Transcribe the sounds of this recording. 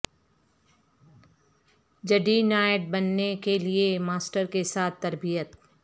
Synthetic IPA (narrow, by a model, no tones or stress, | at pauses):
d͡ʒəɖinaːɪʈ̚bɐnːekeliemaːsʈəɾkesaːt̪ʰːɐɾbijət̪